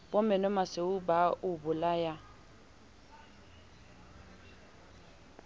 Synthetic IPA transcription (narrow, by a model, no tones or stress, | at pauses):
bɔmɛnɔmaseʊbaʔʊbʊlaja